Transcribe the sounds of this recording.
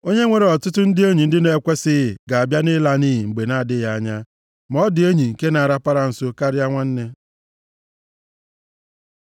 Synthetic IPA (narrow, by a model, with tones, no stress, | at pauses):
o˦ɲe˦ŋʷe˨ɾe˨ɔ˨tʊ˦tʊ˦n̩˦dɪ˦e˦ɲi˨n̩˦dɪ˦ne˨˦˨kʷe˦sɪ˦˨ɡa˨a˨bja˦nɪ˦la˦niː˦ɦi˨ŋ͡m̩˨ɡ͡be˨na˦a˨dɪ˦ja˦a˦ɲa˦ | mɔ˦dɪ˨e˦ɲi˨ŋ̩˨ke˦na˨ɾa˦pa˦ɾa˨n̩˨so˦ka˦ɾɪ˦a˦ŋʷa˦n̩˦ne˦